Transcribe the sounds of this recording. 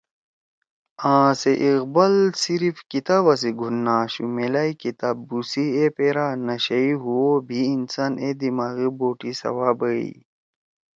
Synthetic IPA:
ãːseʔiɣbɐlsiɾifkit̪aβɐs̬iɡʱunːaːɕumelaikit̪abːusiepeɾanɐɕɐiɦuwobʱiːnsaned̪imaːɣiboːʈisɐ̰waːbəḭ

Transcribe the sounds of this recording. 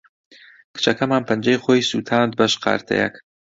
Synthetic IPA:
kɨ̥t͡ʃʰɐkʰɐmaːnpʰɐnd͡ʒɐjχoːjsuːt̪ʰaːnt̪̚bɐʃqʰɑ̰ːɾt̪ʰɐ̰jɐ̰k

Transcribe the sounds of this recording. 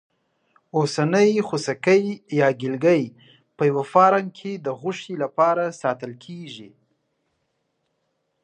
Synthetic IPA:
osanəjxusakəjjɑɡɪlɡəj | pəjawafɑɾaŋkʰed̪əɣʊʂilapɑɾasɑt̪əlkʰeʒi

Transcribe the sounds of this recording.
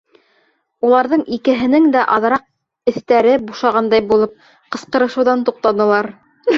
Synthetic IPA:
ulˠɑɾðɤɴikɘ̆ɦɘ̆nɘŋd̪æʔɑðɾɑq̚ | ɘ̆θt̪æɾɘbuʃɑʁɑnd̪ɑjbulˠɤp̚ | qɤ̆sqɤ̆ɾɤ̆ʃɤ̆wðɑnt̪uq̚t̪ɑnɤ̆lˠɑɾ

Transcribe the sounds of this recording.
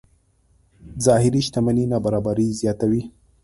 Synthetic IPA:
zɑhɪɾiʃt̪amaninɑbaɾɑbaɾizjɑt̪awi

